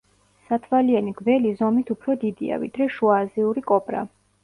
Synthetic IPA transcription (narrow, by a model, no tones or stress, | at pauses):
sat̪ʰvalianiɡvɛlizɔmit̪ʰupʰɾɔd̪id̪ḭa̰vḭd̪ɾɛʃuaːziuɾikʼɔpʼɾa̰